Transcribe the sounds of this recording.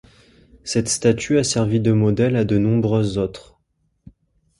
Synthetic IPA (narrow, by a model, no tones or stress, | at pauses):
sɛt̪st̪at̪ʰyasɛʁvid̪əmɔd̪ɛlad̪ənɔ̃bʁøzːot̪χ